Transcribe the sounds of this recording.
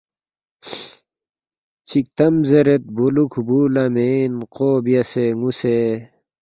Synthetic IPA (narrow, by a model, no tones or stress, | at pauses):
t͡ɕʰik̚t̪ɐmzɐɾet̪̚bolukʰubuːlɐmenqoːbijɐseŋuse